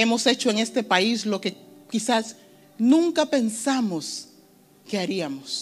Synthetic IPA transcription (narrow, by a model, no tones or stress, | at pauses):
e̞mo̞se̞t͡ʃoeŋe̞st̪e̞paislo̞ke̞kisas | nũŋkape̞nsamos | keaɾiamos